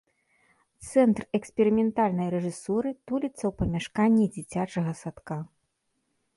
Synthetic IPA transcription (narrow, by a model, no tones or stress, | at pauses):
t̪sɛnt̪rɛksʲpʲɛɾɨmʲɛnt̪alʲnɐjɾɛʐɨsɔɾɨt̪ulʲit̪sɐwpɐmʲaʂkanʲːid͡zʲit͡sʲat͡ʂɐɣɐsat̪ka